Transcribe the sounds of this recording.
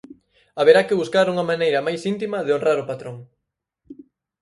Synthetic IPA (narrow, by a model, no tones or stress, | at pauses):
aβeɾakɪβuskaɾuŋɐmanejɾɐmajsint̪̬imɐðeonraɾʊpat̪ɾoŋ